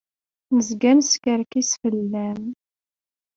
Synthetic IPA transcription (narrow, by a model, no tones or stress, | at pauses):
nəzɡæmskəɾkisfəlːæm